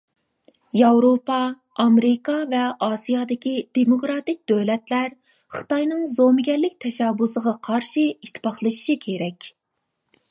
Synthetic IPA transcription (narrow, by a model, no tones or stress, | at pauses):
jɑwɾopɑː | mɾɪkɑvɛʔɑsijɑd̪ɪkʲid̪̥emokɾɑt̪ɪk̚ʲd̪̥øwlɛt̪læɾ | χɨ̥t̪ɑjnɨŋzomɪɡʲɛɾlɪk̚ʲt̪ʰɛʃɛbʊsəʁɑqʰɑɾʃiiʃt̪ʰɪ̥pɑχlˠɨʃi̥ʃikʲʰeɾɛkʲ